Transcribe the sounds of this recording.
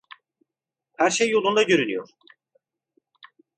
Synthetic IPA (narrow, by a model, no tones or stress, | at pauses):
hæɾʃejːolˠund̪aɟøɾynyjo̞̰ɾ̥